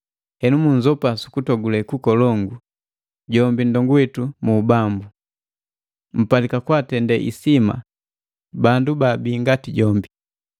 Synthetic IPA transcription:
hɛnumuɲzɔpasu̥kutɔɡulɛkukɔlɔŋɡu | ɟɔmbindɔŋɡuwɛtumuːbambu | m̩palikakwatɛndɛʔḭsima̰ | bandubabiːŋɡatiɟɔmbi

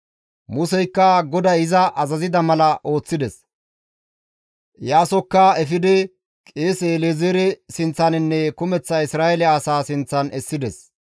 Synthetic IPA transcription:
mʊsɛjkːɐɡɔd̪ɐjɪzɐʔɐzɐzɪd̪ɐmɐlɐʔo̞ːt͡sːɪd̪ɛs | jaːsɔkːɐɛfɪd̪ɛ | kʼeːseːleːzeːɾɛsɪnt͡sːɐnɪnːɛkʊmɛt͡sːɐɪsɾaːjɛlɛaːsaːsɪnt͡sːɐnʔɛsːɪd̪ɛs

